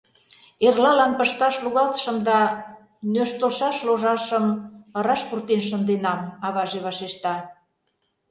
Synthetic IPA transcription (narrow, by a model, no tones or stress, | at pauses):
erlɑlɑnpə̆ʃt̪ɑʃluɣɑlt̪ə̥ʃə̆md̪ɑ | nøʃt̪oʃɑʃloʒɑʃəməɾɑʃpurt̪enʃ̬ə̆nd̪enɑmɑβɑʒeβɑʃeʃt̪ɑ